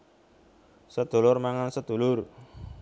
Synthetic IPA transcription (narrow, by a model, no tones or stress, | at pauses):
səd̪̥o̤lʊrmaŋansəd̪̥o̤lʊr